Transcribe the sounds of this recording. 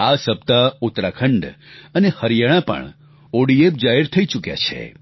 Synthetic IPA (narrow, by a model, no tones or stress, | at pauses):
asəb̚t̪aʊt̪ɾakʰəɳɖənehəɾijaɽ̃ãpə̰ɳ | oɽiep̚d͡ʒaɦɛɾt̪ʰəit͡ʃukja̰t͡ʃʰḛ